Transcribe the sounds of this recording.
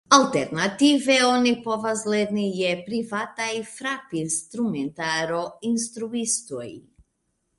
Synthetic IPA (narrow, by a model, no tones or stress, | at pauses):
alˠt̪ɛɾnat̪ivɛɔnipɔvazlɛd̪nijɛpɾivat̪aifɾapinst̪ɾumɛnt̪aɾɔinst̪ɾuist̪ɔḭ